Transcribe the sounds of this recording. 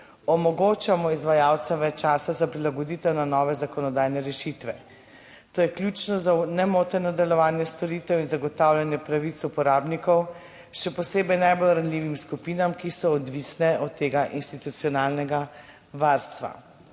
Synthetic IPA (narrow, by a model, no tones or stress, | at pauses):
ɔmɔɡot͡ʃamɔizʋajaːwt̪sɛmʋɛt͡ʃːaːsazapɾilaɡɔd̪it̪ɛwnanɔʋɛzakɔnɔd̪aːjnɛɾɛʃit̪ʋɛ | t̪oːjɛklʲjut͡ʃnɔzanɛmoːt̪ɛɾnɔd̪ɛlɔʋaːnjɛst̪ɔɾiːt̪ɛwinzaɡɔt̪awlʲanjɛpɾaʋit̪supɔɾaːbnikɔw | ʃɛpɔseːbɛjnajbolɾanlʲiːʋimskupiːnamkisɔːd̪ʋisnɛɔt̪ːeːɡaʔinst̪it̪ut̪siɔnaːlnɛɡa | ʋaɾst̪ʋa̰